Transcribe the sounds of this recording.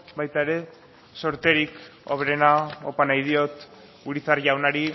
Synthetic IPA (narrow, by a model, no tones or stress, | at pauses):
bajt̪aeɾe̞ | so̞ɾt̪e̞ɾiko̰βɾe̞naopanajð̞io̞t̪ | uɾit͡saɾʝawnaɾi